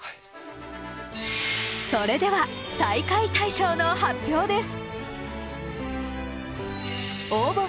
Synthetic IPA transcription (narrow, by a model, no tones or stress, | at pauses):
soɾe̞d̪e̞βat̪aikait̪aiɕoːnohapʲjo̞ːd̪e̞sɨ̥ | oːbo